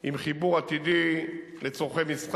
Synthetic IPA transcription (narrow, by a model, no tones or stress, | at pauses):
imχibuʁat̪id̪i | let͡soχemisχ